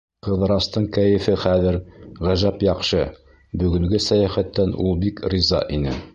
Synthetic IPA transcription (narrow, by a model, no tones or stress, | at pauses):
qɤ̆ðɤ̆ɾɑst̪ɤɴkæjɘ̆fɘχæðɘɾʁæʒæpjɑqʃɤ | bɵ̆ɡɵ̆ŋɡɵsæjæχæt̪ːænʔṵlˠbikɾizɑ̰ʔinɘ